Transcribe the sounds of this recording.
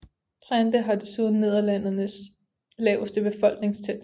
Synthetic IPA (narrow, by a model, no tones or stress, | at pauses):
bʰʁænd̥əɦɑ̈d̥e̝suðˠn̩e̝ð̰ˠɐlæn̰ɐnəs | lɛʊəsd̥əb̥e̝fɒ̽l̰ɡ̥ne̝ŋst͡sʰen